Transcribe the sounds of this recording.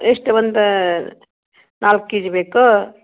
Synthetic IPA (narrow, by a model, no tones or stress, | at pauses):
esʈebənd̪ | nalkːid͡ʒbekɔ